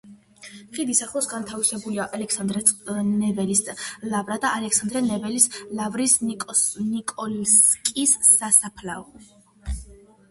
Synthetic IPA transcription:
χid̪isaχlˠɔsɡant̪ʰavisɛbuliaʔalɛksand̪ɾɛnɛvɛlislavɾad̪aʔalɛksand̪ɾɛnɛvɛlislavɾisʼ | nikʼɔlskʼisːasapʰlaɔ

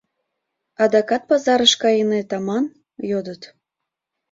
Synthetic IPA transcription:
ɑd̪ɑkɑt̪̚pɑzɑɾəʃkɑjinet̪ɑmɑn | jod̪ət̪

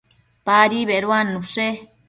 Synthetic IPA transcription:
paɾiβeɾwanːũʂe

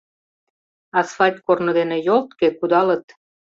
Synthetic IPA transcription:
ɑsfɑlʲt̪ʲkornod̪enĕjolt̪kekud̪ɑlə̆t̪

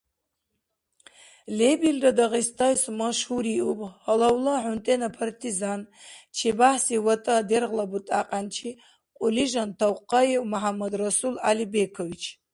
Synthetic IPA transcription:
lebildadaʁistʰajsmaʂhuɾiʔupʼalawlaħʊntʼenapʰartʰizant͡ʃʰebaħsiwatʼɨaderʁlabutʼaqʼant͡ʃʰi | qʷʼʊliʒantʰawqːaiwmaħamad̪rasulalibekʰovit͡ʃʰ

